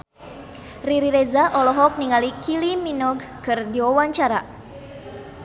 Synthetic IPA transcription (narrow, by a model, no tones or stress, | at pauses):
riɾiɾɛzaʔɔlɔɦɔk̚niŋalikiliminɔɡkɨrdiɔwaɲt͡ʃaɾa